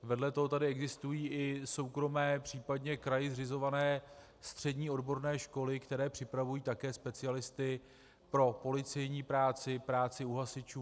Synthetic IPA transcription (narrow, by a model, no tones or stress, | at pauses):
vɛdlɛt̪oɦot̪adɪɛɡzɪst̪ujiːʔɪso̞wkɾo̞mɛːpr̝̥iːpadɲɛkɾajɪzrɪzo̞vanɛː | st̪r̥ɛdɲiːodbo̞ɾnɛːʃko̞lɪkt̪ɛɾɛːpr̝̥ɪpɾavujiːt̪akɛːspɛt͡sɪalɪst̪ɪ | pɾo̞po̞lɪt͡sɛjɲiːpɾaːt͡sɪpɾaːt͡sɪuɦasɪt͡ʃuː